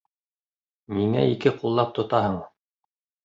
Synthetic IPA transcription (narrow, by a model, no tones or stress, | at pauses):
miŋæ̰ikɘqulˠːɑp̚t̪ŏt̪ɑhɤɴ